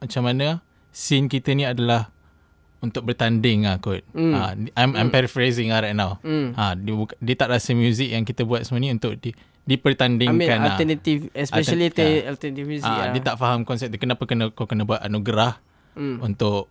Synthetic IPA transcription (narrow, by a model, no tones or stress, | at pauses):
mat͡ʃamanə | sɪnkit̪ənĩadalah | unt̪ʊk̚bərt̪andɪŋakʊt̪̚aajmajmpɛɾifɾezɪŋaɾajt̪̚nãwadbukadiət̪aʔɾasəmjuzɪk̚jaŋkit̪əbuat̪səmənĩunt̪ʊʔ̚di | dipərt̪andɪŋkanaənat̪ifɛsɛʃalit̪ealt̪ənat̪ifmjuziaiət̪aʔfaɦamkɔnsɛp̚kənapəkənə̃kakənəbuat̪anuɡɾah | unt̪ʊʔ